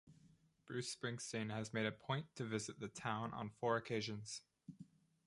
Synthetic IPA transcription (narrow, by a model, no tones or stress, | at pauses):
b̥ɹʉspɹɪ̃ŋstɨ̃nɨzmeɪɾɨpʰɔ̃ɪ̃ntʰɨvɪzɨt̪̚ðɨtʰãʊ̃nʔə̰̃nfɔɹɨkʰeɪʒɨ̃nz̥